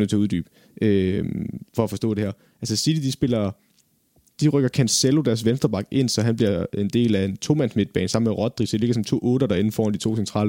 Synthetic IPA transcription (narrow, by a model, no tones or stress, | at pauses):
nət͡sʰe̝uðˠd̥y̰ːb̥ | ʔø | fɒ̽fɒ̽sd̥ɔ̰̽ːd̥e̝hæɐ̰ | ʔælsəsid̥id̥isb̥e̝lɐ | d̥iʁœɡ̥ɐkʰænselo̝d̥æɐs̬ʋensd̥ɐb̥ɑ̈ɡ̥e̝n̰sɒ̽ɦænb̥liɐe̝nd̥e̝̰ːlæe̝nt͡sʰo̝mænsme̝d̥̚b̥ɛ̰ːnsɑ̈m̰̩meʁɒ̽d̥̚ʁisɒd̥ile̝ɡ̥ɐsɒ̽mt͡sʰo̝̰ːɔ̽ːd̥ɐd̥ɑ̈e̝nn̩fɒ̰ːnd̥i̥t͡sʰo̝̰ːsent͡sʰʁɑ̰̈ːl